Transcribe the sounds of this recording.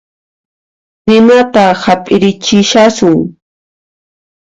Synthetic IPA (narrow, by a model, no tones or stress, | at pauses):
ɾɪnat̪ahapʼɪɾɪt͡ʃɪʃasʊŋ